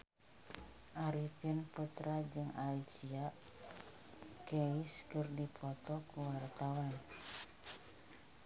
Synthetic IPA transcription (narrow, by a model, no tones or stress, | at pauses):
ʔaɾipinput̪ɾad͡ʒɨŋaisiaʔ | kɛiskɨrdipɔt̪ɔkuwart̪awan